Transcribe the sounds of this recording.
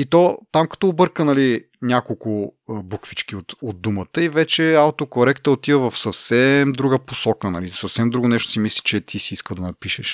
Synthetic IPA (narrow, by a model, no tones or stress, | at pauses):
it̪ɔt̪amkɐ̥t̪ɔːbɤɾkənɐli | nʲakolˠkʊbukvit͡ʃkiot̪od̪̚umət̪əivɛt͡ʃɛawt̪okoɾɛkt̪əot̪ivəvɐfsɐfsɛmd̪ɾuɡəposɔkənɐlisɐfsɛmd̪ɾuɡʊnɛʃt̪ʊ̥simisli̥t͡ʃɛt̪ʰisiiskəlˠd̪ɐnɐpiʃɛʃ